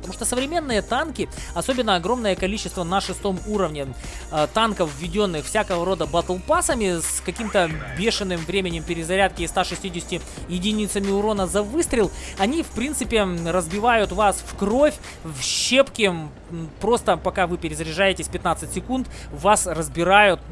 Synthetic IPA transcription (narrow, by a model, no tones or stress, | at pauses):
pət̪ɐmuʂt̪osəvɾʲɪmʲe̞nːɨjət̪ankʲɪ | ɐsobʲɪnːəɐɡɾo̞mnəjəkɐlʲit͡ɕːɪst̪vənəʂɨst̪o̞muɾəvnʲɪ | t̪ankəfvːʲɪdʲo̞nːɨxfsʲakəvəɾo̞d̪əbɐt̪ɐlˠpasəmʲɪskɐkʲimt̪əbʲe̞ʂɨnːɨmvɾʲemʲɪnʲɪmpʲɪɾʲɪzɐɾʲæt̪kʲɪːst̪aʂɨsʲtʲidʲɪsʲɪ̥tʲɪ | jɪdʲɪnʲit̪səmʲɪʊɾo̞nəzɐvɨst̪ɾʲɪlˠɐnʲifpɾʲint̪sɨpʲɪrəzbʲɪvajʊt̪vasfkro̞fʲ | vɕepkʲɪ | pɾo̞st̪əpɐkavɨpʲɪɾʲɪzɾʲɪʐajɪtʲɪsʲpʲɪt̪nat̪sɨtʲsʲɪkunt̪vasrəzbʲɪɾajʊt̪̚